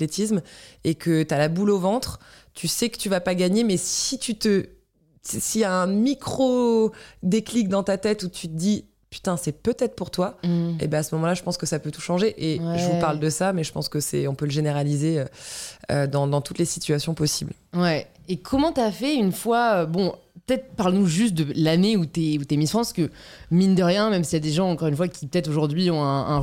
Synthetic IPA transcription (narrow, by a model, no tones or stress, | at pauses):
let̪ismekʰət̪yalabulovɑ̃t̪χ | t̪ʰysɛkə̥t̪yvapaɡaɲemɛsit̪yt̪ə | sijaɛ̃mikχo | d̪eklik̚d̪ɑ̃t̪at̪ɛt̪ut̪ʰyt̪əd̪i | py̥t̪ɛ̃sɛpøt̪ɛt̪χpuʁt̪waḛbɛasəmɔmɑ̃laʒəpɑ̃skəsapøt̪u̥ʃɑ̃ʒeʔeʒəvupaʁld̪əsamɛʒəpɑ̰̃skəsɛ̰ɔ̃pøləʒeneʁalizeøø̰d̪ɑ̃d̪ɑ̃t̪ut̪lesit̪ɥasjɔ̃pɔsiblwɛekʰɔmɑ̃t̪yafɛynfwaøbɔ̃pət̪ɛt̪χpaʁlnuʒyst̪̚d̪əlaneut̪yɛut̪ɛmifχɑ̃skə | mind̪əʁjɛ̃mɛmsijad̪eʒɑ̃ɑ̃kɔʁynfwakʲipə̥t̪ɛt̪χoʒuʁd̪ɥiɔ̃ɛ̃ɛ̃